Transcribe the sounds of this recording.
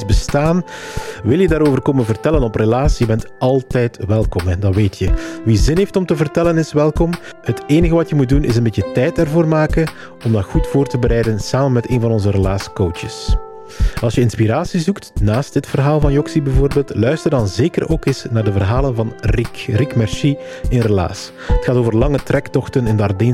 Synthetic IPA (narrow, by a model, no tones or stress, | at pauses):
zbəstaːnʋɪlˠjədaːɾoːvərkoːmənvərtɛlənɔprəlaːsijəbɛntɑlˠtɛjtʋɛlˠkɔmɛdɑʋeːtʰjəʋizɪnɦeːftɔmtəvərtɛlənɪsʋɛlˠkɔm | həteːnəɣəʋɑtjəmut̚dunɪs̬ənbeːtətɛjtɛrvoːrmaːkən | ɔmdɑxutfoːrtəbəɾɛjdənsaːmənmɛteːnvɑnɔnzəɾəlaːskowt͡ʃəs | ɑlˠsjəɪnspiɾaːsizuktnaːstdɪtfərɦaːlˠvɑnjɔksibɛvoːrbeːlˠtlœɥstərdɑnzeːkəroːkɪsnaːrdəvərɦaːlənvɑnrikrikmɛrsi | ɪnrəla̰ːs | ətxaːtoːvərlɑŋətrɛktɔxtənɪndəɑrdeːn